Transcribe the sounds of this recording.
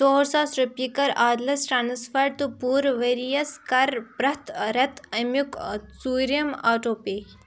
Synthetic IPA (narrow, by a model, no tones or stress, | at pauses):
t̪oːɾsaːsɾɐpikɐɾaːd̪lɐsʈɾaːnsfɐɾ̚t̪upuːɾʋeːɾijɐskɐɾpɾɐt̪ɾɐt̪ɐmjuksuːɾiɐmaːʈoːpe